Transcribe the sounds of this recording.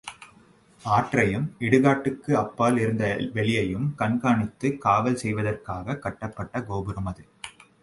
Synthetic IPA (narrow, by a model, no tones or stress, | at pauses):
aːʈrɐjɯmɪɽɯɣaːʈːɯkːɯɐpːaːlɪɾɯnd̪ɐʋɛɭɪjɐjɯmkɐnkaːɳɯt̪ːɯkaːʋɐlsɛjʋɐðɐrkaːɣɐkɐʈːɐpːɐʈːɐɡoːbɯɾɯmɐðɯ